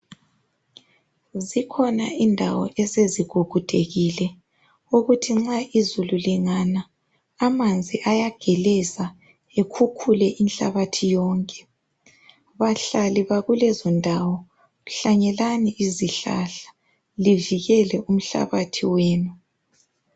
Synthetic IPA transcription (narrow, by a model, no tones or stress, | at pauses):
zikʰɔnaʔindʱawɔ̰ʔɛseziɡ̥ʱuɡ̥ʱud̥ʱeɣilɛ | uɣutʰiŋ͡ǁaizululiŋanaː | mand͡zʱiʔajaɡ̥ʱɛlɛza | ekʰukʰulɛʔinɬa̰βatʰijɔːŋkʼɛ̥ | βaɬaliβaɣulɛzɔndʱawɔ | ɣuɬaɲɛlaniʔiziɬa̰ɬḁ | liviɣɛlɛʔum̩ɬa̰βatʰiweːnu